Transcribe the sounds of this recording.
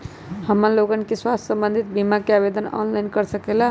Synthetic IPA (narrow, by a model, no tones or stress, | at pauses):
həməlokənkeswast̪ʰʲːsəmbənd̪ʱit̪̚bimakeabed̪ənɔ̰nlajnkəɾsəkela